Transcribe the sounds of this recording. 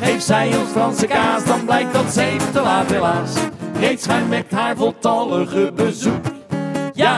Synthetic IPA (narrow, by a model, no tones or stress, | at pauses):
ejftsɛjɔnsfrɑnsəkaːsdɑnblɛjk̚dɑtsɛjəlaːvɛlaːsrejtsχajmɛt̚tɦaːɹvɔlˠtɑləχəbəzukəja